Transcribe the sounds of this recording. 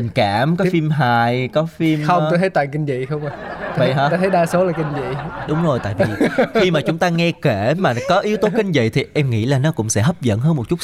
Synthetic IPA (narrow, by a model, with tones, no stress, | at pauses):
ï˨˩ŋ̟kaː˧˩mkɔ˨˦fi˧mɦaː˨˩jkɔ˨˦fi˧mxə˧wŋ͡mto˧jt̪ʰə˨˦jt̪aː˨˩ŋkï˧ŋ̟zḭ˧˨xə˧wŋ͡ma˨˩˨va˧˨˧jɦaː˧ta˧t̪ʰə˨˦ɗaː˧so˨˦laː˨˩kï˧ŋvḭ˧˨ɗʊ˨˦ŋ͡mzo˨˩jt̪a̰ː˧˨jvi˨˩xi˧maː˨˩t͡ɕʊ˨˦ŋ͡mt̪aː˧ŋɛ˧ke˧˩maː˨˩kɔ˨˦ʔi˨˦əwt̪o˨˦kï˧ŋ̟vḭ˧˨jt̪ʰi˨˩ʔɛ˧mŋḭ˧˥laː˨˩nɔ˨˦kʊ̰˧˥wŋ͡msɛ̰˧˥ɦə˦˥p̚zə̰˧˨nɦəː˧nmo˨˩t̚t͡ɕʊ˦˥t̚